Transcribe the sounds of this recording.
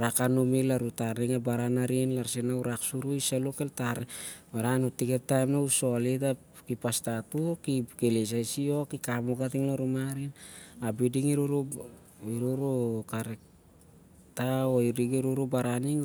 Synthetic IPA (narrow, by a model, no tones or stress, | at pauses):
ɾakanumilaɾutaɾniŋabaɾanaɾinlaɾsenauɾaksuɾuiselokeltaɾbaɾanotikep̚tajmnauso̞lita | kipastatukikeles̬ajsio̞kikamokatiŋlaɾumaɾinabidiŋiɾuɾu | iɾuɾukaɾek̚ | taoiɾiɡeɾuɾubaɾaniŋ